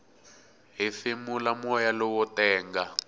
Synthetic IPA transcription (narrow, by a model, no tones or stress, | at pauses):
ɦiθimulamɔjalɔwɔtɛːŋɡa